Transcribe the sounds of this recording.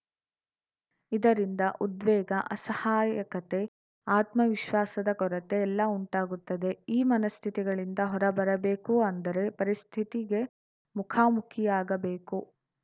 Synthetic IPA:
id̪ɐɾind̪ɐʔud̪ʋɛːɡɐʔɐsɐhaːjɐkɐt̪e̞ | aːt̪mɐʋiʃʋaːsɐd̪ɐkɔɾɐt̪e̞ːlːɐuɳʈaːɡut̪ːɐd̪e̞iːmɐnɐst̪ʰit̪iɡɐɭind̪ɐɦɔɾɐbɐɾɐbeːkuɐnd̪ɐɾe̞pɐɾist̪ʰit̪iɡe̞ | mukʰaːmukʰijaːɡɐbeːku

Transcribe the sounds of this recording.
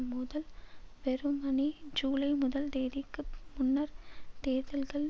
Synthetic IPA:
mʊðɐlʋɛɾɯmɐnid͡ʒuːlɐɪmʊðɐld̪eːðɪkːɯmʊnːɐɾt̪eːðɐlɣɐɭ

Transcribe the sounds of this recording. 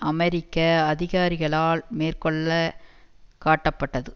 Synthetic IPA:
ɐmɛɾɪkːɐɐðɪɣaːɾɪɣɐɭaːlmeːrkɔɭːɐ | kaːʈːɐpːɐʈːɐðɯ

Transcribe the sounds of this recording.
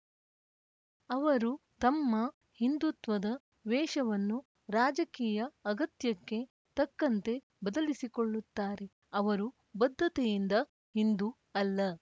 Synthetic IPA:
ɐʋɐɾut̪ɐmːɐ | hind̪ut̪ʋɐd̪ɐ | ʋɛːʃɐʋɐnːu | ɾaːd͡ʒɐkiːjɐɐɡɐt̪jɐkːe̞ | t̪ɐkːɐnt̪e̞ | bɐd̪ɐlisikoɭːut̪ːaːɾe̞ | ɐʋɐɾu | bɐd̪ʱːɐt̪ɛjind̪ɐ | hind̪u | ɐlːɐ

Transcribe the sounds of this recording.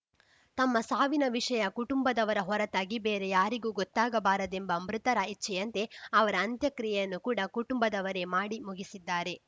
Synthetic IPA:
t̪ɐmːɐsaːʋinɐʋiʂɐjɐkuʈumbɐd̪ɐʋɐɾɐɦɔɾɐt̪aːɡibeːɾe̞jaːɾiɡuːɡɔt̪ːaːɡɐbaːɾɐd̪e̞mbɐmɾɪt̪ɐɾait͡ʃt͡ʃɛjɐnt̪e̞ɐʋɐɾɐːnt̪jɐkɾijɐjɐnːukuːɽɐkuʈumbɐd̪ɐʋɐɾe̞maːɽimuɡisid̪ːaːɾe̞

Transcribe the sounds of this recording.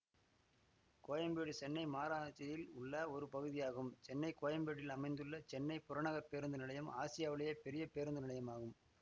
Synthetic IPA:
koːjɐmbeːɽɯt͡ʃɛnːɐɪmaːɾaːt͡ʃːɐjɪlʊɭːɐɔɾɯpɐɣɯðɪjaːɣɯmt͡ʃɛnːɐɪkoːjɐmbeːɽɪlɐmɐɪnd̪ɯɭːɐt͡ʃɛnːɐɪpʊɾɐɳɐɣɐpːeːɾɯnd̪ɯnɪlɐjɐmaːsɪjaːʋɪɭɐjɐpɛɾɪjɐpeːɾɯnd̪ɯnɪlɐjɐmaːɣɯm

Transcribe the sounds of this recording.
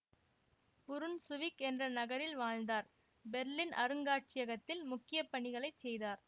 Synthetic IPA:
pʊɾɯnsʊʋɪkɛndrɐnɐɣɐɾɪlʋaːɻnd̪aːɾ | bɛɾlɪnʔɐ̰ɾɯŋɡaːʈ̚t͡ʃɪjɐɣɐt̪ːɪlmʊkːɪjɐpːɐɳɪɣɐɭɐɪt͡ʃsɛjðaːɾ

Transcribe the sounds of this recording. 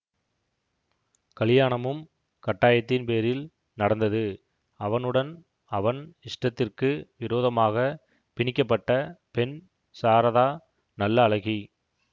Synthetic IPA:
kɐɭɪjaːɳɐmɯm | kɐʈːaːjɐt̪ːɪnpeːɾɪl | nɐɽɐnd̪ɐðɯ | ɐʋɐnɯɽɐn | ɐʋɐnɪʂʈrɐt̪ːɪrkɯʋɪɾoːðɐmaːɣɐ | pɪɳɪkːɐpːɐʈːɐpɛn | saːɾɐðaː | nɐlːɐːlɐɣi

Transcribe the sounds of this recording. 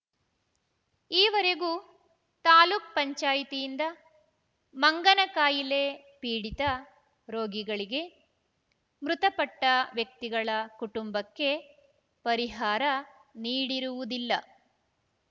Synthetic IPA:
iːʋɐɾe̞ɡu | t̪aːluːk̚pɐɲt͡ʃaːjit̪ijind̪ɐ | mɐŋɡɐnɐkaːjile̞ | piːɽit̪ɐ | ɾoːɡiɡɐɭiɡe̞ | mɾut̪ɐpɐʈːɐʋjɐk̚t̪iɡɐɭɐkuʈumbɐkːe̞ | pɐɾiɦaːɾɐ | niːɽiɾuʋud̪ilːɐ

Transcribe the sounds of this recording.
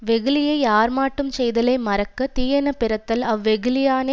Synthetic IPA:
ʋɛɣɯlɪjɐɪjaːɾmaːʈːɯmt͡ʃɛjðɐlɐɪmɐɾɐkːɐt̪iːjɐnɐpɪɾɐt̪ːɐlɐʋːɛɣɯlɪjaːne

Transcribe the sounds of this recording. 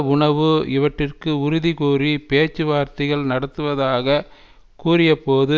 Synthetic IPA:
ʊɳɐʋɯɪʋɐʈrɪrkɯʊɾʊðikuːripeːt͡ʃːɯʋaːɾt̪ɪɣɐɭnɐɽɐt̪ːɯʋɐðaːɣɐ | kuːrɪjɐpoːðɯ

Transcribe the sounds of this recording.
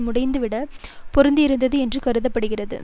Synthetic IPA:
mʊɽɐɪnd̪ɯʋɪɽɐpɔɾɯnd̪iɪɾɯnd̪ɐðɯɛndrɯkɐɾɯðɐpːɐɽɯɣɪrɐðɯ̰

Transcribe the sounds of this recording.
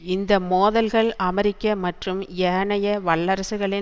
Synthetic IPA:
ɪnd̪ɐmoːðɐlɣɐɭɐmɐɾɪkːɐmɐʈrɯmɛːɳɐjɐʋɐɭːɐɾɐsɯɣɐɭɪ

